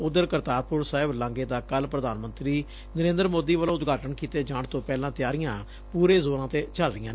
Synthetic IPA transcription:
ʊd̪əɾkəɾt̪aːɾpʊɾsaːɪblãːŋɡeːd̪aːkəlpɾəd̪aːnmə̃nt̪ɾiː | nəɾẽːnd̪əɾmoːd̪iːʋəlõːʊt̪ɡaːʈənkiːt̪eːd͡ʒãːɳt̪õːpɛːlãːt̪ɪjaːɾɪjãː | puːɾeːzoːnãːt̪eːt͡ʃəlɾɪjãː

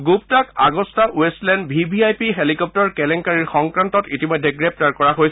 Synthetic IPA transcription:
ɡuptaka̰ɡɔstaʔuɛsstlɛndbʱibʱiajpiɦelikɔp̚tɔɹkɛlɛŋkaɹiɹxɔŋkɹantɔtitimɔjdʱːɛɡɹɛp̚taɹkɔɹaɦojs

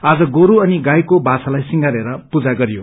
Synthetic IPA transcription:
ad͡zʌɡoɾuʌniɡajkobat͡salajsiŋɡaɾeɾʌpud͡zaɡʌɾijo

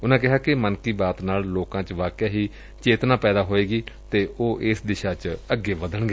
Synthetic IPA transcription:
ʊnãːk̬ɪɦaːkɪmənkiːbaːt̪naːlloːkãːt͡ʃʋaːkjaːɦiː | t͡ʃeːt̪nãːpɛːd̪aːɦoːeːɡiːt̪eːʔoːʔɪsd̪ɪʃaːt͡ʃəɡːeːʋəd̪əɳɡeː

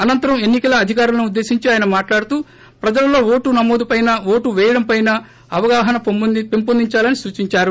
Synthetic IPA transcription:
ɐnɐnt̪ɐɾɐme̞nːikɐlɐːd̪ʱikaːɾulɐnuud̪ːe̞ːsiɲt͡ʃiaːjɐnɐmaːʈlaːɽut̪uː | pɾɐd͡ʒɐlɐlo̞ːʋoːʈunɐmoːd̪upɐjnɐʋoːʈuʋɛːjɐɽɐmpɐjnɐ | ɐʋɐɡaːɦɐnɐpimpond̪iɲt͡ʃaːlɐnisuːt͡ʃiɲt͡ʃaːɾu

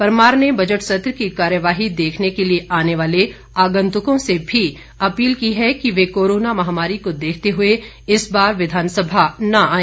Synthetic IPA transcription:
pɐɾmaːɾnebɐd͡ʒəʈsɐt̪ɾkikaːɾjəʋaːɦid̪eːkʰnekelieʔaːneʋaːle | aːɡə̃nt̪ʊkõsebʱi | ɐpiːlkiɦɛkiʋekoːɾoːnamɐɦamaːɾikod̪eːk̚ʰt̪eɦʊe | ɪsbaːɾʋɪd̪ʱaːnsəbʱanɐaːẽː

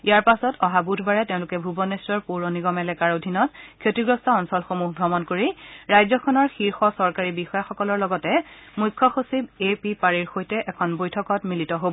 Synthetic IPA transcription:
ijaɹpasɔtɔɦabudʰʱbaɹɛteʊ̃lʊkɛbʱubɔnestɔɹpuɹoniɡɔmɛlɛkaɹodʱinɔtkʰetiɡɹɔstɔɔnsɔlxomuɦɡɹɔmɔnkoɹiɹajzɔkʰɔnɔɹxiɹxɔsɔɹkaɹibixɔjaxɔkɔlɔɹlɔɡɔtɛmujkʰːɔxosib̚epipaɹiɹxojtɛʔɛkʰɔnbojtʰɔkɔtmilitɔɦobɔ

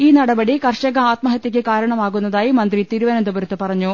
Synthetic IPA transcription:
iːnɐɽɐbɐɽikɐrɕɐɣɐaːt̪mɐɦɐt̪ːik̬ʲːɨkaːɾɐɳɐmaːɣunːɐðaːjimɐnd̪rit̪iːɾuʋɐnɐnd̪ubɐɾɐt̪ːɨpɐrɐɲːu

